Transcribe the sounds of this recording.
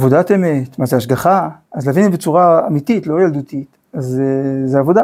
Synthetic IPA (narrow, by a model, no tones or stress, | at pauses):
vodateme̞tmazeaʃɡaχaazlavinibet͡suʁaamit̪itlo̞jald̪ut̪it̪ | azezeavo̞da